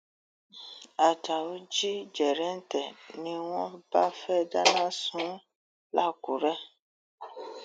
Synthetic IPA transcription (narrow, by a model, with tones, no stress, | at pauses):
a˨ta˨wo˦d͡ʒi˦d͡ʒɛ˨ɾɛ˦n̩˦tɛ˨nĩ˧wɔ̃˦ba˦fɛ˦da˦nã˦sũ˨˦ | la˦˨ku˨ɾɛ˦